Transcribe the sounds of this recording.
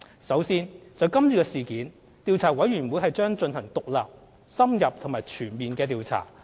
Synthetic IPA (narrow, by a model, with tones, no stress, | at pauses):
sɐ˨˥wsiː˥nt͡sɐ˨˧wkɐ˥mt͡syː˨˧kɛː˧siː˨kiː˨˥n | t̪iː˨˧wt͡sʰaː˨˩wɐ˨˥jɥyː˨˩nwu˨˧jɦɐ˨jt͡ʃœː˥ŋt͡ʃɵ˧nhɐ˨˩ŋt̪ʊ˨k̚laː˨p̚ | sɐ˥mjɐ˨p̚t̪ʰŋmaː˨˩jt͡ʃʰyː˨˩nmiː˨nkɛː˧t̪̬iː˨˧wt͡sʰa̰ː˨˩